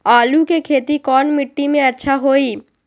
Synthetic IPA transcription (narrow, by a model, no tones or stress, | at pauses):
aːlukekʰeːt̪ikɔːnmɪʈːimẽɐtːʃʰaɦoːiː